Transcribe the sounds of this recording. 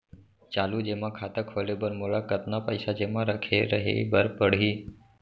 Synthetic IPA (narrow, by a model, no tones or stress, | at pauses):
t͡ʃaːluːd͡ʒemãkʰaːt̪əkʰolebəɾmoɭakət̪napəɪsad͡ʒemãɾəkʰeɾəɦḛbəɾpəɽ̤iː